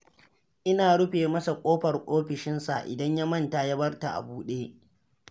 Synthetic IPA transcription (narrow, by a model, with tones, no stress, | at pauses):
ʔɪ˦naː˨ɽʊ˦ɸeː˨mɐ˦sa˨kʷʼoː˦ɸɐ˨rkʷʼoː˦ɸɪ˨ʃɪ˦nsa̰˨ʔɪ̰˨dɐ˦ɲja˦mɐ˦˨nta˨ja˦bɐ˦rta˨ʔa̰˨buː˦ɗeː˦